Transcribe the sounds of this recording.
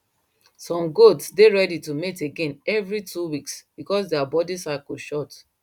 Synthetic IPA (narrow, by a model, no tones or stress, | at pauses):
sɔ̃mɡotsdeɹɛditumeteɡẽnɛvɹitʰuwiksb̥ikɔs̬dɛabɔdisakoʃɔt